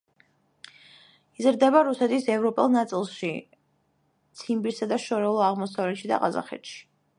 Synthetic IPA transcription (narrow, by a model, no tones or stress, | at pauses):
izɾd̪ɛbaɾusɛt̪ʰisɛvɾɔpʼɛlˠnat̪sʼilˠʃi | t̪sʰimbiɾsad̪aʃɔɾɛlˠɔaʁmɔsavlɛt̪ʃid̪a̰qʼaza̰χɛ̰t̪ʃi̥